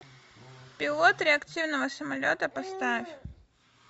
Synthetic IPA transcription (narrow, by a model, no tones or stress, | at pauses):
pʲɪlˠɔt̪ɾʲɛɐkt̪ɨvnɐvɐsɐmalʲot̪ɐpast̪afʲ